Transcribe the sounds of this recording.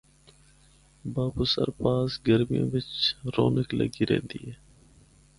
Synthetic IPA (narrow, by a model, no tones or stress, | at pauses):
baːbusə̰ɾpaːsɡəɾmijõ̰ːʋɪt͡ʃɾoːnɪklə̰ɡiɾḛːnd̪iːɦɛː